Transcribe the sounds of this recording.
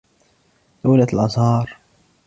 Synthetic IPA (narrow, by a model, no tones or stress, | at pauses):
d̪uːlat̪lʔɑzˤhɑːɾˤ